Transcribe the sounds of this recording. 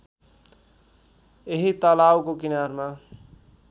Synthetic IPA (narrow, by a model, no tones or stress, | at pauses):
eɦit̪ʌlawkokinaɾma